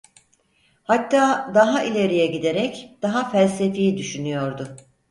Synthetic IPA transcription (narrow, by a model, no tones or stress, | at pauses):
hat̪ʰːaːd̪aɦaʔilʲe̞ɾijɛɟid̪e̞ɾɛcd̪̥aɦafælʲsefijid̪yʃynyjo̞ɾd̪ʊ